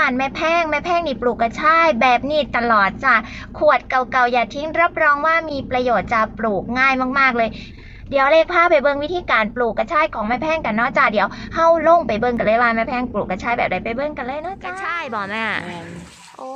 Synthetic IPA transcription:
aː˧nmɛː˧˥˩pʰɛː˥˩ŋmɛ˧˥˩pʰɛː˥˩ŋniː˧˩pluː˨˩kːa˧˩t͡ɕʰaː˥˩jbɛː˨˩p̚niː˧˩t̪a˧lɔː˨˩t̪̚t͡ɕa˧˩ | kʰu˨˩ə˩t̪̚ka˨˩wka˨˩wjaː˨˩t̪ʰi˦˥ŋɾa˦˥p̚ɾɔː˧ŋwaː˥˩miː˧pɾa˧joː˨˩t̪̚t͡ɕa˨˩pluː˨˩k̚ŋaː˥˩jmaː˥˩k̚maː˥˩k̚lɤː˧j | di˨˦əwʔle˧pʰaː˥˩pa˨˩jbɤː˧ŋwi˦˥t̪ʰiː˧kaː˨˧npluː˨˩kːa˨˧˩t͡ɕʰaː˧˥˩jkʰɔː˨˦ŋmaː˦˥˩pʰɛː˥˩ŋka˨nːɔː˥˩k̚t͡ɕaː˨˩k̚di˨˩˦əwha˥˩wlo˥˩ŋpa˨˩jbɤ˧ŋka˨nlɤː˧˦jwaː˧nmɛː˦˥˩pʰɛː˥˩ŋpluː˨˩k̚ːa˧˩t͡ɕʰaː˧˥˩jbɛ̰ː˨˩p̚da˧˦jpa˨˩jbɤ˧ŋka˧nlɤː˧jnɔː˦˥˩t͡ɕːʰa˥˩jbɔː˨˧˩ma˧˥˩ʔa˨˩ | ʔo˧

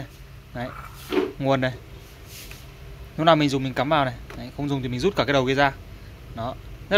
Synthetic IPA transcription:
na˨˦j | ŋu˨˩ənːa˨˩j | i˨˦wnaː˨˩mï˨˩ŋzʊ˨˩ŋ͡mmï˨˩ŋ̟kaː˨˦mvaː˨˩wna˨˩jna˨˦jxə˧wŋ͡mzʊ˨˩ŋ͡mt̪i˨˩mi˨˩ŋ̟zu˦˥t̚kaː˧˩kːaː˨˦ɗə˨˩wki˧zaː˧ | nɔ˨˦zə˦˥

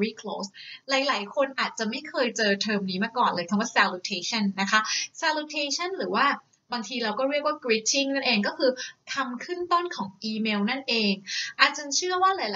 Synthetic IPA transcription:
wiː˦˥˩kʰlo̰ː˦˥slaː˩˦jlaː˩˦jkʰo˧nʔaː˨˩t̪̚t͡ɕa˨˩ma˥˩jkʰɤː˧jt͡ɕɤː˧t̪ʰɤː˧mniː˦˥maː˧kɔː˨˩nlɤː˧jk̪ʰa˧mwaː˥˩sɛː˧lu˧t̪ʰeː˧t͡ɕʰa˥˩nːa˦˥kʰa˦˥sɛː˧lu˧t̪ʰeː˧t͡ɕʰa˥˩nɾɯː˩˦waː˥˩ | baː˧ŋt̪ʰiː˧ɾa˧wkɔː˥˩ɾi˥˩ək̚waː˥˩kɾi˦˥t͡ɕʰi˥˩ŋna˥˩nʔeː˧ŋkɔː˥˩kʰɯː˧kʰa˧mkʰɯ˥˩nt̪o˥˩nkʰɔː˩˦ŋʔiː˧meː˧wna˥˩nʔeː˧ŋʔaː˨˩t̪̚t͡ɕa˧nt͡ɕʰɯ˥˩əwaː˥˩laː˨˩˦jla˨

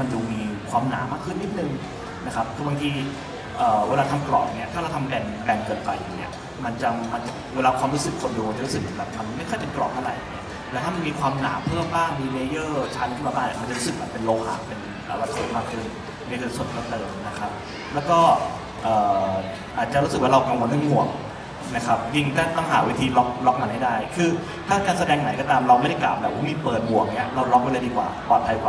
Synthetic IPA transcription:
ma˧nt͡ɕu˧˩miː˧kʰwaː˧mna̰ː˩˦maː˥˩kʰːɯ˥˩nːi˦˥t̪̚nɯ˧ŋ | na˦˥kʰa˦˥p̚kʰːba˧ŋt̪ʰiː˧ | ʔɤː˨˩weː˧laː˧t̪ʰa˧mklɔ̰˨˩p̚ni˦˥˩ɐt̪ʰaː˥˩ɾa˧wt̪ʰa˧mkɛː˧nkɛ˧nkɤː˨˩npa̰˨˩jŋnḭ˦˥˩ɐ | ma˧nt͡ɕa˧ma˧nt͡ɕa˨˩weː˧laː˧kʰwaː˧mɾu˦˥sɯ˨˩kʰːo˧nduː˧ma˧˩t͡ɕa˨˩ɾu˦˥sɯ˨˩k̚ːkaː˧˩p̚t̪ʰa˧m˧m˥˩kʰːpe˧nklɔ̰ː˨˩p̚tʰa˥˩ɾa̰˨˩jni˦˥ɐ | t̪ɛː˨˧˦t̪ʰaː˥˩ma˧nmiː˧kʰwaː˧mna̰ː˩˦pʰɤː˥˩əmbaː˥˩ŋmiː˧me˧jɤː˥˩t͡ɕʰa˦˥nt̪ʰiː˥˩maː˧˩baː˥˩ni˧˥˩ma˧nt͡ɕa˨˩ɾu˦˥sɯ˨˩k̚ma˧npe˧nloː˧kʰaː˨˩pe˧n | ʔəː˨˩wa˧t̪ʰːo̰˦˥t̚maː˧kʰɯ˧ | a˥˩kʰɯː˧˩nso˨˩t̪̚ʰa˧t̪ɤː˨˩mna˦˥kʰa˦˥p̚ | lɛː˦˥wkɔː˥˩ | ʔɤː˨˩ | ʔaː˨˩t̪̚t͡ɕa˨ɾu˦˥sɯ˨˩k̚waː˥˩ɾa˧wka˧ŋwo˧˦na˧˥˩mu˨˩əŋ̚ | na˦˥kʰa˦˥p̚ji˥˩ŋt̪aː˥˩t̪ɔ˥˩ŋɦa̰ː˩˦wi˦˥t̪ʰiː˧lɔ˦˥k̚lɔ˦˥k̚ma˧nha˥˩jdaː˥˩jkʰɯː˧ | t̪ʰaː˥˩kaː˧nsa˧dɛː˧ŋna˨˦jkɔː˥t̪aː˧mɾa˧wma˥˩da˥˩jkla̰˨˩p̚bɛː˨˩p̚waː˥˩miː˧pɤː˨˩t̪̚bu˨˩ək̚ni˦˥ɐɾa˧wlɔ˦˥p̚pa˧laː˧diː˧kwa̰ː˨˩pɔː˨˩t̪̚pʰa˧jwa˧

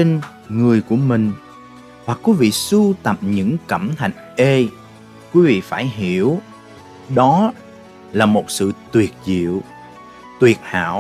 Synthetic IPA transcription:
e˧n | ŋɨ˨˩əjku˧˩əmï˨˩ŋ̟ | hwaː˨˩kwi˨˦vḭ˧˨su˧t̪ə˨˩p̚ɲɨ̰˧˥ŋkə˧˩mt̪ʰa˧˨jŋ̟ʔe˧ | kwi˨˦vḭ˧˨faː˧˩jɦi˧˩əw | ɗɔ˨˦ | laː˨˩mo˨˩t̚sɨ̰˧˨t̪wi˨˩ət̚zḭ˧˨əw | t̪wi˨˩ət̚ha̰ː˧˥˨w

